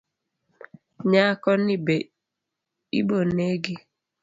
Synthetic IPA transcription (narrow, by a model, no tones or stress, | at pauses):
ɲakɔnibe | ḭboneɡe